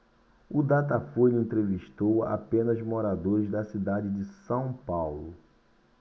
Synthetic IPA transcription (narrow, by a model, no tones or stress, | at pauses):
ʊd̪at̪afuʎẽnt̪ɾeviʃt̪owa̰pẽnɐzmoɾad̪oɾɪzd̪ɐsid̪ad͡ʒɪd͡ʒɪsɐ̃w̃pawlʊ